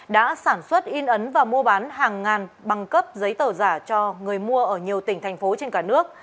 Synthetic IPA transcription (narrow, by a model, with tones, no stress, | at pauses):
ɗa̰ː˧˥saː˧˩nswə˦˥t̚ʔi˧nʔə˨˦nvaː˨˩mu˧əɓaː˨˦nɦaː˨˩ŋːaː˨˩nɓa˨˩ŋkə˦˥p̚zə˨˦jt̪əː˧˩zaː˧˩t͡ɕɔ˧ŋɨ˨˩əjmu˧əʔəː˧˩ɲi˨˩əwt̪ï˧˩ŋ̟t̪ʰɛ˨˩jŋ̟fo˨˦t͡ɕe˧nkaː˧˩nɨ˦˥ək̚